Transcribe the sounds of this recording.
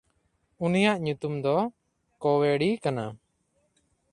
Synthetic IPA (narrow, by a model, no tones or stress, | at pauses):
unijaʔɲut̪umd̪ɔ | kɔwɛɽikana